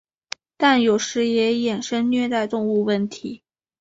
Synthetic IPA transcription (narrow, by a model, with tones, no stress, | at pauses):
t̪a˥˩njo˨˩ʊʂɻ̩˧˥jɛ˧˥jɛ˨˩nʂə˥nnɥɛ˥˧t̪a˥˧ɪt̪ʊ˥˧ŋu˥˧wə˥˩nt̪ʰi˧˥